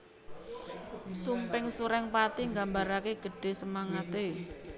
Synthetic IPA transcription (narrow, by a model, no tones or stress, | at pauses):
sumpɪŋsuɾɛŋpat̪iŋɡambaɾakeɡ̥ə̤ɖ̥e̤səmaŋat̪e